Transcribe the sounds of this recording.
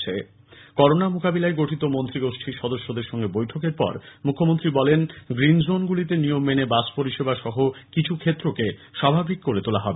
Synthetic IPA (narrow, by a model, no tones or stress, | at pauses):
t͡ɕʰe | kɔɾonamukabilaeɡoʈʰit̪omont̪ɾiɡoʃʈʰiʃɔd̪oʃːod̪eɾʃɔŋɡebojʈʰokeɾpɔ̰ɾmukʰːomont̪ɾibɔlenɡɾind͡ʑonɡulit̪enijomːenebaspoɾiʃebaʃɔɦokit͡ɕʰukʰet̪ːɾokeʃabʱabikːoɾet̪olaɦɔbe